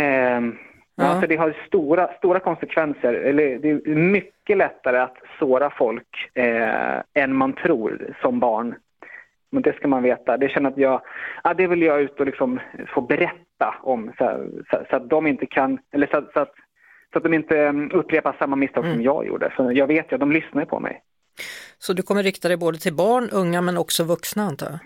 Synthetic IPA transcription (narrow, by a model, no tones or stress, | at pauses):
ɛ | jɑsɔd̪ɛɦaɾst̪uːɾast̪uːɾakʰɔnsɛkʰvɛnsəɾɛlːəd̪ɛːmʏkːəlɛt̪ːaɾəat̪soːɾafɔlk | ɛnmant̪ʰɾuːɾsɔmbɑːɳ | mɛnd̪ɛskamanveːt̪ad̪ɛɕɛnːəɾat̪jɑːɡad̪ɛvɪljɑʉ̟ːt̪əɔlɪksɔmfoːbɛɾɛt̪ːa̰ɔmssa̰sɔat̪̚d̪ɔmɪnt̪əkʰanɛlːəʂɔat̪sɔat̪ | sɔat̪̚d̪ɔmɪnt̪əɵpːɾeːpaʂamːamɪst̪ʰɑːɡɡsɔmjɑ̰ːɡjṵːɖə̰sɔjɑːɡveːt̪jd̪ɔmlʏsnaɾəpʰɔ̰mʔɛ̰j | sɔd̪ɵkʰɔmːəɾːɪkt̪ad̪ɛjboːd̪ət̪ʰɪlbɑːɳɵŋːamɛnɔksɔvɵksnaant̪ʰɑ̰